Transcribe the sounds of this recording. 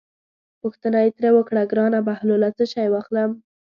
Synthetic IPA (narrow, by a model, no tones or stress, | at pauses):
pʊxt̪ənajet̪ɾewəkɽaɡɾɑnabahlolat͡səʃɑjwɑxləm